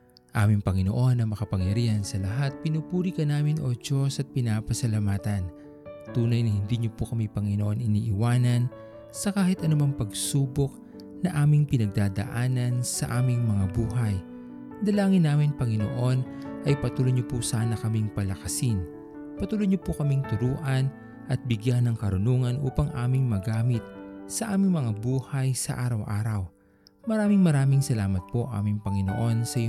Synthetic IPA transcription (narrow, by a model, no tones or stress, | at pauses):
ʔaːmɪŋpɐŋɪnoʔo̞nːɐmɐkɐpɐŋjɐɾiːhɐnsɐlɐɦat̪̚pɪnuːpuːɾikɐnaːmɪnʔo̞d͡ʒo̞sɐt̪̚pɪnaːpɐsɐlɐmaːt̪ɐn | t̪uːnɐjnɐhɪnd̪iɲopokɐmipɐŋɪnoʔo̞nɪniːʔɪwaːnɐn | sɐkaːhɪt̪ɐnʊmɐŋpɐɡsuːbok̚ | nɐʔaːmɪŋpɪnɐɡ̚d̪aːd̪ɐ̰ʔaːnɐnsɐʔaːmɪŋmɐŋabuːɦɐj | d̪ɐlaːŋɪnːaːmɪnpɐŋɪno̞̰ʔo̞nʔɐjpɐt̪uːlojɲopusaːnɐkɐmɪŋpɐlɐkɐsɪn | pɐt̪uːlojɲopʊkɐmiŋt̪ʊɾuːʔɐn | ʔɐt̪̚bɪɡjanːɐŋkɐɾʊnuːŋɐnʔṵːpɐŋʔaːmɪŋmɐɡaːmɪt̪̚sɐʔaːmɪŋmɐŋabuːhɐjsɐ̰ʔaːɾɐwʔaːɾɐw | mɐɾaːmɪŋmɐɾaːmɪŋsɐlaːmɐt̪̚po̞ʔa̰ːmɪŋpɐŋɪno̞̰ʔo̞nsɐj